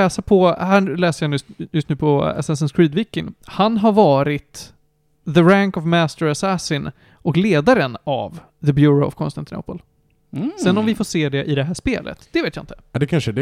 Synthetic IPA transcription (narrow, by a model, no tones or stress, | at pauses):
ɛːsapʰɔɦæːlɛːsəjanʉjɵst̪nʉ̟ːpʰɔɛ̰sɛs̬ənskɾiːd̪vɪkːɪŋhanɦaɾvɑːɾɪt̪ | ðəɾæŋkɔvmæst̪əɾasæsɪn | ʔɔkleːd̪aɾəna̰v | ðəbjuːɾoʊɔ̰vkʰɔnst̪ant̪ɪno̰ːpəl | sɛnːɔmvɪfoːʂeːd̪ɛʔɪd̪ɛɦæːʂpḛːlʔə̰t̪d̪̥ɛveːt̪jaɪnt̪ə̥d̪ɛkʰanʂəd̪